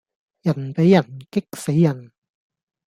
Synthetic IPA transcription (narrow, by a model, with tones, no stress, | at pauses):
jɐ˨˩npe˨˥jːɐ˨˩nkɪ˥k̚se˨˥jːɐ˨˩n